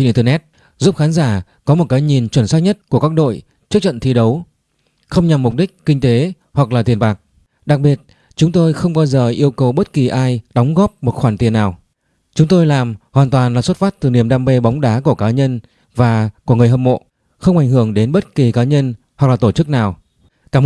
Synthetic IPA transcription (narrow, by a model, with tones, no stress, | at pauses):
nʔt̪ə˧nɛ˦˥t̚ | zu˦˥p̚xaː˨˦nzaː˧˩ | kɔ˨˦mo˨˩t̚kaː˨˧˦jɲi˨˩nt͡ɕwə˧˩nswaː˦˥k̚ɲə˦˥t̚ku˧˩kaː˦˥k̚ɗo̰˧˨j | t͡ɕɨ˦˥ək̚t͡ɕə̰˧˨nt̪ʰi˧ɗə˨˦w | xə˧wŋ͡mɲa˨˩mːʊ˨˩k͡p̚ɗi˦˥k̟̚kï˧ŋ̟t̪e˨˦ | hwa˨˩k̚laː˨˩t̪i˨˩ənɓaː˨˩k̚ | ɗa˨˩k̚ɓi˨˩ət̚ | t͡ɕʊ˨˦ŋ͡mt̪o˧jxə˧wŋ͡mɓaː˧wzəː˨˩ʔi˧əwkə˨˩wɓə˦˥t̚ki˨˩ʔaː˧jɗɔ˨˦wŋ͡mɣɔ˦˥p̚mo˨˩t̚xwaː˧˩nt̪i˨˩ənːaː˨˩w | t͡ɕʊ˨˦ŋ͡mt̪o˧jlaː˨˩mhwaː˨˩nt̪waː˨˩nlaː˨˩swə˦˥t̚faː˦˥t̚t̪ɨ˨˩ni˧˩əmɗaː˧mɓe˧ɓɔ˨˦wŋ͡mɗaː˨˦ku˧˩əkaː˨˦ɲə˧n | vaː˨˩ku˧˩əŋ˨˩əhɦə˨˩mo̰˧˨ | xə˧wŋ͡mʔa˧˩jŋ̟hɨ˧˩əŋɗe˨˦nɓə˦˥t̚ki˨˩kaː˨˦ɲə˧n | hwa˨˩k̚laː˨˩t̪o˧˩t͡ɕɨ˦˥k̚naː˨˩w | kaː˧˩